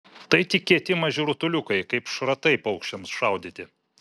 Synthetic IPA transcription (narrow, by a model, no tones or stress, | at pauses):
t̪ɐɪt̪ʲɪkʲiɛt̪ʲɪmɐʒʲʊɾʊt̪ʊlʲʊkɐɪkɐɪpʃɾɐt̪ɐɪpɐʊkʃʲt͡ʃʲɛmsʃɐʊd̪ʲɪt̪ʲɪ